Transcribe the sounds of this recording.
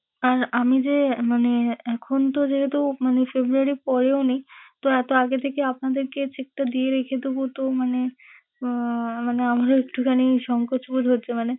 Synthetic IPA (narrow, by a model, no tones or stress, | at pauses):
aɾamid͡ʑemaneɛkʰont̪od͡ʑeɦet̪̬umanefebɾuaɾipɔɾeonejt̪oɛt̪oaɡet̪ʰekeapnad̪eɾket͡ɕek̚ʈad̪ieɾekʰet̪ubut̪omane | maneamaɾoek̚ʈukʰanejʃɔŋkoʃbuɾɦotːɕʰemane